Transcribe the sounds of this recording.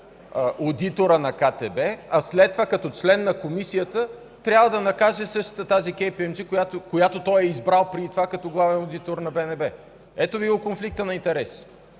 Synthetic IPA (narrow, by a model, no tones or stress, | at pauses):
əʔod̪it̪oɾənɐkat̪ɛbɛɐslɛt̪ːovakɐt̪ɔt͡ʃlɛnːɐkomisijət̪ə | t̪ɾʲavəd̪ɐnɐkaʒɛsɤʃt̪ə̥t̪ət̪azikʲɛjpiɛmzikojat̪okojat̪ot̪ɔjɛizbɾalˠpɾʲiit̪vakɐt̪ɔɡlˠavɛnod̪it̪oɾnɐbɛnɛbɛ | ɛt̪obivˠokonflik̚t̪ənɐint̪ɛɾɛs